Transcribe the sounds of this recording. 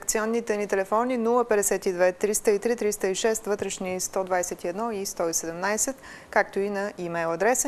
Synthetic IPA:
kt̪siɔnːit̪ɛnit̪ɛlɛfɔninulˠəpɛd̪ɛsɛt̪id̪vɛt̪ɾist̪əit̪ɾit̪ɾist̪əiʃɛst̪vɤt̪ɾɛʃnist̪ɔd̪vajsɛt̪iɛd̪nɔist̪ɔisɛd̪ɛmnajsɛt̪ | kakt̪oinɐimɛjlˠɐd̪ɾɛs

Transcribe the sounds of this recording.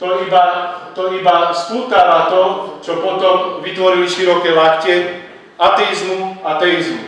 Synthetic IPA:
t̪ɔibat̪ɔibaspuːk̪alat̪ɔt͡ʃɔpɔt̪ɔmʋit̪ʋɔɾiliʃiɾɔkɛːlakcɛ | at̪ɛizmuat̪ɛizmu

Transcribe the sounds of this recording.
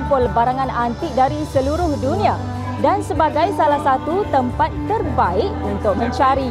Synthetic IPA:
pʊlbaɾaŋanant̪ɪk̚daɾisəluɾʊhdunĩa | dansəbaɡajsalahsat̪ut̪əmpat̪ːərbaɪʔunt̪ʊk̚mə̃ɲt͡ʃaɾi

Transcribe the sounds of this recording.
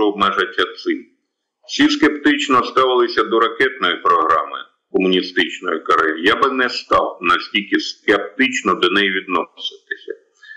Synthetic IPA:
ɔɔb̚mɛʒɐtʲːɐt̪sɪ | wsʲiskept̪ɪt͡ʃnɔst̪ɑʋɪlˠɪsʲɐd̪ɔɾɐkɛt̪̚nɔjipɾɔɦɾɑ̰mɪ̰ | kɔmʊnʲist̪ɪt͡ʃnɔjɪkɐɾɛjijabɪnɛst̪ɑ̰wnɐsʲtʲilʲkɪskep̚t̪ɪt͡ʃnɔd̪ɔnɛjiʋʲid̪nɔsɪt̪ɪsʲɐ

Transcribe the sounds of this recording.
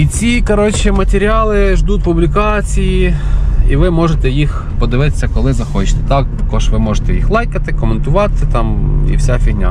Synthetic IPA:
it͡sʲikɐɾɔt͡ʃɛmɐt̪ʲeɾʲiɑlˠɪʒd̪utʲpublʲikɑt͡sʲijiiʋɪmɔʒet̪ɛjix | pɔd̪ɪʋɪt̪e̥sʲːɐkɔlˠɪzɐxɔt͡ʃɪ̥t̪ɛ̥t̪ɑk̚t̪ɐkɔʒʋɪmɔʒet̪ɛjixlˠɑjkɐt̪ɪkɔment̪ʊʋɑt̪ɪt̪ɑmḭwsʲafʲiɦnʲa̰

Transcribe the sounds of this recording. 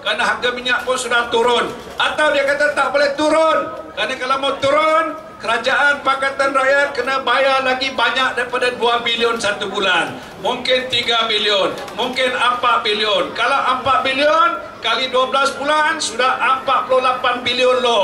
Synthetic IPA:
kəɾanaɦaɡamiɲaʔpʊnsudaht̪uɾʊn | at̪awdiakat̪at̪aʔbolɛht̪uɾʊnkəɾanakalawmawt̪uɾʊn | kəɾad͡ʒaʔanpakat̪anrajat̪̚kənabajalaɡibaɲak̚daɾipadaduabiliʊnsat̪ubulan | muŋkɪnt̪iɡabiliʊn | muŋkɪnəmpaʔ̪̚biliʊnkalawʔəmpaʔ̪̚biliʊn | kaliduablasbulansudahəmpat̪̚pulʊlapanbiliʊnlɔ

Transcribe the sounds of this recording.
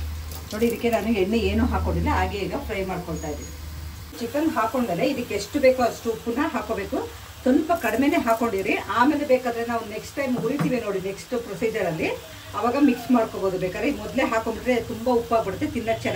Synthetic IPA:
no̞ːɽiːd̪ikːe̞naːniɡenːueːnuːɦaːkoɳɖilːɐaːɡeiːɡɐpʰɾɐjmaːɽkoɭt̪aːjid̪iʋi | t͡ʃikɐnɦaːkoɳmele̞id̪ɐkːeːʂʈube̞ːkuɐsʈuːpunːɐɦaːko̞ːbe̞ːku | t̪umbɐkɐɽmene̞ɦaːko̞ɳɖid̪ɾiʔaːmeːlebeːkaːd̪ɐɾenaːʋuneksʈːɐjmɡuɾit̪iːʋino̞ːɽineksʈupɾosiːd͡ʒɐɾɐlːi | ɐʋaːɡɐmiksmaːɽkoːboːd̪ubeːkad̪ɾemɔd̪leɦaːkoɳɖid̪ɾet̪umbɐupaːɡpɐɽut̪ːet̪inːɐt͡ʃɛn

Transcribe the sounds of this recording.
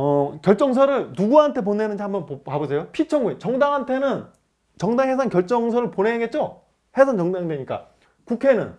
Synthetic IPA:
ʌkjʌɭt͡ɕ͈ʌŋs̬ʰʌɾɯɭnuɡuɦantʰe̞p̬onenɯnd͡ʑihambʌnppabɯsʰe̞jopʰit͡ɕʰʌŋɡuit͡ɕʌŋdaŋɦantʰe̞nɯn | t͡ɕʌŋdaŋɦe̞sʰankjʌɭt͡ɕ͈ʌŋs̬ʰʌɾɯɭponeɡet̚t͡ɕ͈o | he̞sʰant͡ɕʌŋdaŋidweɲik͈a̰ | kukʰe̞nɯ̰n

